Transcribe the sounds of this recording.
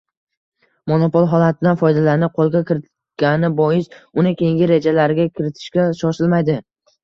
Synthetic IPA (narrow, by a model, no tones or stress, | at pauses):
mono̞polˠɦɒlˠat̪̚ʰɪd̪anfɒjd̪alaɾnɪqʰolˠɡʲakʲɪɾɪt̪ | ɡ̥ʲanɪbɒjɪsʊnɪkʲʰe̞jɪŋɡʲɪɾe̞d͡ʒalaɾɪɡʲakʲʰɪɾɪt̪ʰɪ̥ʃkʲaʃɒʃɪlmajd̪ɪ